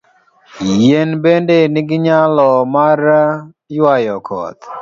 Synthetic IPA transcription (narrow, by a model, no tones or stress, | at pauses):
jenbendenɪɡɪɲalɔmar | jwajɔkʰɔ̰t̪